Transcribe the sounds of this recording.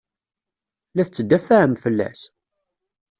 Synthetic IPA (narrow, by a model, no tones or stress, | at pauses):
læθt͡sːəd̪ːæfæəmfəlːæ̰s